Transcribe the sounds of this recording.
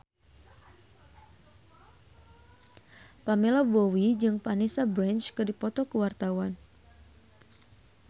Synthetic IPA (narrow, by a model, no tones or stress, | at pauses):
pamɛlɔbɔwid͡ʒɨŋpanisabɾɛnt͡ʃkɨrdipɔt̪ɔkuwart̪awan